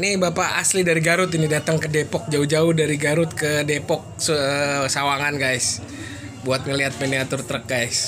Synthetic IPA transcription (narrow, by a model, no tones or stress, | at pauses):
nɪbapaʔa̰slidaɾiɡaɾʊt̪inidat̪əŋkədepɔk̚d͡ʒaud͡ʒaʊhdaɾiɡaɾʊt̪̚kədepɔk̚ssawaŋanɡajs | buat̪̚ŋəliɦat̪̚meniat̪ʊrt̪ɾək̚ɡajs